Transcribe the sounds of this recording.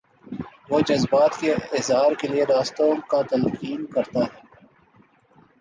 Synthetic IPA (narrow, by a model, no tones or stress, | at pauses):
ʋoːd͡ʒɐzbaːt̪keɪzɦaːɾkelieɾaːst̪õkat̪ɐlqiːnkɐɾt̪aɦɛː